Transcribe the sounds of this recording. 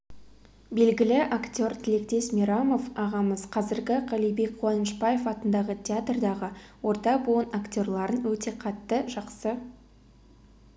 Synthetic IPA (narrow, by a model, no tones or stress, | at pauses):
be̞lɡʲɪlɪʔakt̪ʲo̞rt̪ʲʰɪle̞kt̪e̞smʲiɾamo̞fɑʁɑməzqʰɑzɪɾɡʲɪʁɑlijbe̞k̚ʲqʰuwɑnəʃpɑje̞fɑt̪ənd̪ɑʁət̪ʲʰeat̪rd̪ɑʁəwo̞ɾt̪ɑbuənakt̪ʲo̞rlˠɑɾənwɵt̪e̞qʰɑt̪ːəʒɑqsə